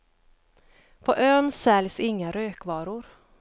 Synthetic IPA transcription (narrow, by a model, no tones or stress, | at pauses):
pʰɔʔøːnsɛlsɪŋːaɾøːkvɑːɾʊɾ